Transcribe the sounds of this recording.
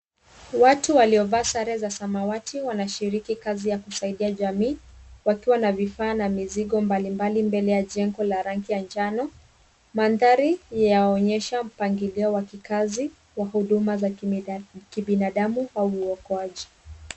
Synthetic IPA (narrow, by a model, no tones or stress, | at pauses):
watuwaliɔvaːsaɾɛzasamawatʰiwanaʃiɾikikazijakusaiɗiaʄamiːwakiwanavifaːnamiziɠɔmbalimbalimbɛlɛjaʄɛŋɡɔlaɾaŋkijand͡ʒanɔ | manðaɾijajaɔɲɛʃam̩paŋɡiliɔwakikazi | wahuɗumaza | kiɓinaɗamuauːɔkɔaʄi